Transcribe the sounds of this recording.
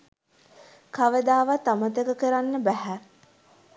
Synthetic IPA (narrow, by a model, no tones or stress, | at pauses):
kaʋəd̪aːʋat̪amət̪əkəkəɾanːəbæɦæ